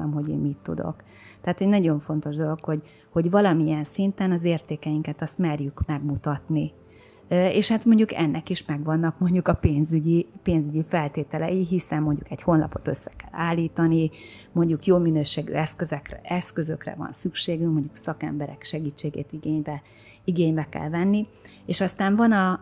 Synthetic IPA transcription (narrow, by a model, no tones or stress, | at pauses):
ɛmɦo̞ɟḛːnmit̪ːṵd̪o̞̰k | t̪ɛat̪ho̞ɟnɒɟo̞ɱfo̞n̪t̪o̞ʒd̪o̞lo̞kho̞ɟ | hoɟvɒlɒmiɛnsint̪ɛnɒzeːrt̪eːkɛjiŋkɛt̪ɒst̪mɛrjykmɛɡmut̪ɒt̪ni | eːʃhaːt̪mo̞ɲɟukɛ̰nːɛkiʃmɛɡʋɒnːɒkmo̞ɲɟukɒpeːnzyɟipeːnzyɟifɛlt̪eːt̪ɛlɛ̰jiɦisɛmːo̞ɲɟṵkɛɟho̞nlɒ̰po̞t̪ø̞̰sːɛ̥kɛ̰lːaːlːiːt̪ɒni | mo̞ɲɟukjoːlminøːʃeːɡy̰ɛskøzɛkrɛɛskø̞zø̞krɛ̰vɒ̰nsykʃeːɡyŋkmo̞ɲɟuksɒkɛ̰mbɛɾɛ̰kʃɛɡiːt͡ʃːeːɡḛːt̪iɡeːɲbɛ | iɡeːɲbɛkɛ̰lvɛnːi | eːʃɒst̪aːɱvɒnɒ